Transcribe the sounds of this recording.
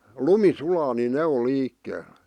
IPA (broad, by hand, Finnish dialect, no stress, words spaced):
lumi sulɑː ni ne o liːkːeːl